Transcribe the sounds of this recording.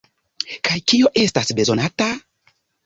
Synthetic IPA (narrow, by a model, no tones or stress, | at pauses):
kajkio̞ʔe̞stasbe̞zo̞nata